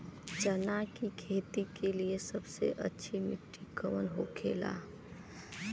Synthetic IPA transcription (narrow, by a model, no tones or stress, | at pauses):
t͡ʃənakikʰeːt̪ikeliesəbsḛʔə̰tːʃʰimɪkʈʰikəʋənɦokʰeːla̰ː